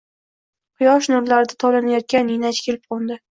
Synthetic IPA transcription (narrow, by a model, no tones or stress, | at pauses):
qʰʊjɒʃnʊɾlaɾɪd̪at̪ʰɒlanajɒt̪̚kʲanɪnat͡ʃkʲʰelɪp̚qʰɒnd̪ɪ